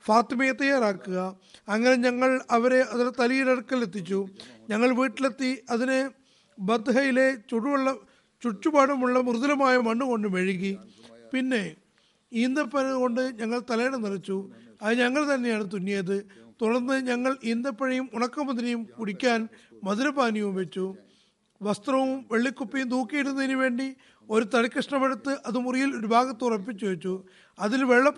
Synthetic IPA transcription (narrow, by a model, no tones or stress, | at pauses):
faːt̪imɐjɐt̪ːɐjːaːraːkːuɣɐː | ŋːɐne̞ɲɐŋːɐɭɐʋɐɾe̞ɐðinet̪ɐlijiɾɐɽɐkːɐlet̪ːit͡ɕːuɲɐŋːɐɭʋiːʈːilet̪ːiɐðine | bɐd̪ɦɐjile̞t͡ɕuɻuuɭːɐ | t͡ɕuʈːubaːɽɐmuɭːɐmuruðɐlɐmaːjɐmɐɳːuko̞ɳɖɨmeɻiɣipinːe̞ | iːnd̪ɐpːɐnɐko̞ɳɖɨɲɐŋːɐɭt̪ɐlɐjɳɐnirɐt͡ɕːuɐðɨɲɐŋːɐɭt̪ɐnːe̞jaːɳɨt̪̬unːejɐðɨt̪uɽɐrnːɨɲɐŋːɐɭiːnd̪ɐpːɐɻɐjumuɳɐkːɐmɐd̪inɐjumkuɽikʲːaːnmɐðɐlɐbaːnijumʋe̞t͡ɕːu | ʋɐst̪rɐʋumʋe̞ɭːikːupːijumd̪uːkːijiɾunːɐðinuʋe̞ːɳɖi | o̞ɾut̪ɐɽikʲːɐʂɳɐmɐɽɐt̪ːɨʔɐðɨmurijilo̞ɾubʱaːɣɐt̪ːurɐp̬ːit͡ɕːuʋet͡ɕːu | ɐðilʋe̞ɭːɐp